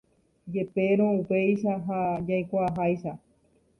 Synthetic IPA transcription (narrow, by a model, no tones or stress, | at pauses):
d͡ʒe̞pe̞ɾ̃õupe̞jʃaɦad͡ʒajkʷaɦajʃa